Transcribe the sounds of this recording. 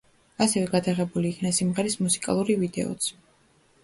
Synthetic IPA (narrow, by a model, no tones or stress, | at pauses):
asɛvɛɡad̪aʁɛbuliːkʰnasimʁɛɾismusi̥kʼa̰lˠuɾivid̪ɛ̰ɔ̰t̪sʰ